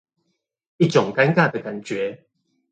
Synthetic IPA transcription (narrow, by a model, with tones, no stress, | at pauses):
i˥˨t͡ɕɔ˨˩ŋka˦nka˥˨d̪ə˨ka˨˩nt͡ɕɥɛ˨˦